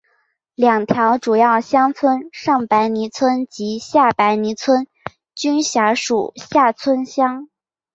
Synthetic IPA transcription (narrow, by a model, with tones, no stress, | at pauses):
ljɑ˨˩ŋt̪ʰjɑ˧˥ʊʈ͡ʂu˨˩jɑ˥˩ʊɕjɑ˥ŋt͡sʰwə˥nʂɑ˥˩ŋpa˧˥ɪni˧˥t͡sʰwə˥nt͡ɕi˧˥ɕja˥˩pa˧˥ɪni˧˥t͡sʰwə˥n | t͡ɕy˥nɕja˧˥ʂu˨˩ɕja˥˩t͡sʰwə˥nɕjɑ˥ŋ